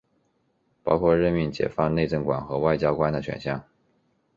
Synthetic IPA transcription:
pɑ˥ʊkʰwɔ˥˧ɻə˥˧nmi˥˩nt͡ɕjɛ̰˨˩fɑ˥˧ŋne˥˧ɪʈ͡ʂə˥˩ŋkwa̰˨˩nxɤ˧˥wa˥˩ɪt͡ɕjɑ˥ʊkwa˥nd̪ə˨ɕɥɛ̰˨˩nɕjɑ˥˩ŋ

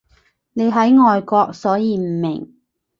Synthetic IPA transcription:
ne˨˧jɦɐ˨˥jŋɔː˨jkɔː˧k̚sɔː˨˥jiː˨˧m̩˨˩mɪ˨˩ŋ

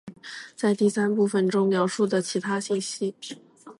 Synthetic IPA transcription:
t͡sa˥˧ɪt̪i˥˩sa˥npu˥˩fə˨˩nʈ͡ʂʊ˥ŋljɑ˧˥ʊʂu˥˩d̪ə˩t͡ɕʰi˧˥t̪ʰa˥ɕi˥˩nɕi˥

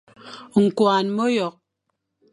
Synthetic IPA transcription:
ŋ̩˨kwaː˨nmo˦jɔ˨k̚

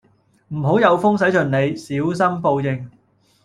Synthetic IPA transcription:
m̩˨˩ɦo˨˥wjɐ˨˧wfʊ˥ŋsɐ˨˥jt͡ʃɵ˨˩nne˨˧jsiː˨˥ws̬ɐ˥mpo˧wjɪ˧ŋ

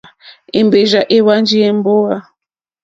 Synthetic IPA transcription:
e˨mbe˨ʒa˨ʔe˦wa˦nd͡ʒi˦e˦m˦bo˦wa˦

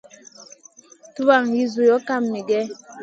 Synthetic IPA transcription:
tu˦a˨ŋji˦zu˨jɔ˦ka˦˨mːi˨ɡɛ˦

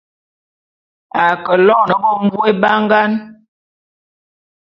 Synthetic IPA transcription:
a˨kə˨lɔ˦˨nə˨bɔ˦˨m˦vu˦e˦ba˦ŋ˦ɡa˦n

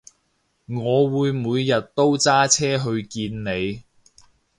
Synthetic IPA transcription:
ŋɔː˨˧wuː˨˧jmuː˨˧jːɐ˨t̚t̪o˥wt͡saː˥t͡sʰɛː˥ɦɵ˧ɥkiː˧nne˨˧j

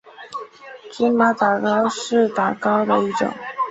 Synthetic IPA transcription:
kʰi˥nma˧˥t̪a˨˩kɑ˥ʊʂɻ̩˥˩t̪a˨˩kɑ˥ʊd̪ə˨i˥˩ʈ͡ʂʊ̰˨˩˦ŋ

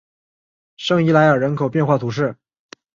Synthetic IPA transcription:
ʂɤ˥˧ŋi˧˥la˧˥ɪə˞˨˩ɻə˧˥nkʰo˨˩ʊpjɛ˥˧nxwa˥˩t̪ʰu˧˥ʂ̬ɻ̩˥˩

